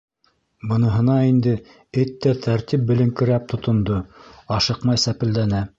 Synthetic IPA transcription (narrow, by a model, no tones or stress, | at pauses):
bɤ̆nɤ̆ɦɤ̆nɑind̪ɘ | ɘt̪ːæt̪ʰæɾt̪ip̚bɘ̆lɘ̆ŋkɘ̆ɾæp̚t̪ʰŏt̪ŏnd̪oɑʃɤqmɑjsæpɘ̆ld̪ænæ